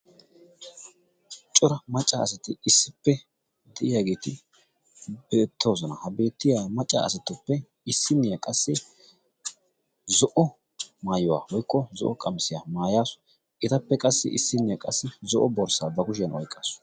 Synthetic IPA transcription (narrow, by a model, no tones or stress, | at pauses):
t͡ʃʼɔɾɐmɐt͡ʃʼːaɐsɐt̪ɪɪsːɪpːɛ | d̪ɛʔɪjaːɡiːt̪ɪ | bɛːt̪ʰːo̞ːsɔnɐhɐbe̞ːt̪ːɪjaːmɐt͡ʃʼːa̰ɐ̰sɐt̪ːʊpːɛ | ɪsːɪnːɪjakʼɐsːɪ | zɔʔɔ | maːjʊwa̰ːwɔjkːɔzɔ̰ʔɔkʼɐmsɪjaːmaːjaːsʊ̥ | ʔɪt̪ɐpːɛkʼɐsːɪ̰ʔɪ̰sːɪnːɪjɐkʼɐsːɪzɔʔɔbɔɾsaːbɐkʊʃ̬ɪjɐnɔjkʼːaːsʊ̥